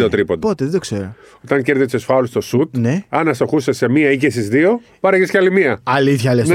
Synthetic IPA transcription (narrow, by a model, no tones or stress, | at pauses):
ot̪ɾipot̪ot̪eðed̪okseɾo | ot̪ɐɲce̞ɾðisesfɐlust̪o̞sut̪neɐnɐst̪oxusese̞miɐicesizðio̞pɐɾɐʝesceɐlimiɐɐliθçɐlen